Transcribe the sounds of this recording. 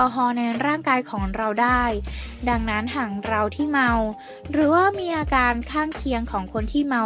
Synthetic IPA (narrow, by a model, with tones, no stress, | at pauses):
ɔː˧˩ɦɔː˧nɛː˧nɾaː˥˩ŋkaː˧jkʰɔː˩˦ŋɾa˧wdaː˥˩jda˧ŋna˦˥nt̪ʰaː˧ŋɾa˧wt̪ʰiː˥˩ma˧w | ɾɯː˩˦waː˥˩miː˧ʔaː˧kaː˧nkʰaː˥˩ŋkʰi˧əŋkʰɔː˩˦ŋkʰo˧nt̪ʰiː˥˩ma˧w